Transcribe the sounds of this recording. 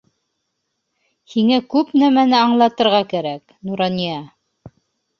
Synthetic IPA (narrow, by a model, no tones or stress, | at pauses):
hiŋækʉpnæmænɘɑɴlˠɑt̪ɤ̆ɾʁɑkæɾæk | nuɾɑnijɑ